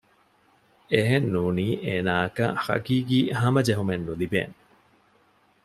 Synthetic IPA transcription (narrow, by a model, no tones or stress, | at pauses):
eɦenːuːniːʔeːnaːɐkɐhɐ̰ɡiːɡiːhɐmɐd͡ʒeɦumenːulibḛːn